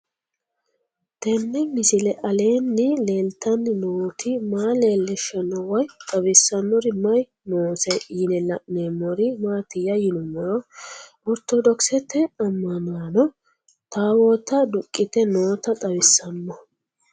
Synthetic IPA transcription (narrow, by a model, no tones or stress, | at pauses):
t̪ɛnːɛmɪsɪlɛʔɐle̞ːnːɪle̞ːlt̪ɐnːɪnoːt̪ʰɪmaːleːlːɛʃɐnɔwɐjt̪ʼɐβɪsːɐnːɔɾɪmɐj | noːsɛiːnɛlɐʔnemːɔɾɪmaːt̪ɪjɐjɪnʊmːɔɾ | ɔɾt̪ɔd̪ɔksɛt̪ːɛɐmːɐnaːnɔ | t̪aːwot̪ɐd̪ʊkʼːɪt̪ɛno̞ːt̪ɐt̪ʼɐbɪsːɐnːɔ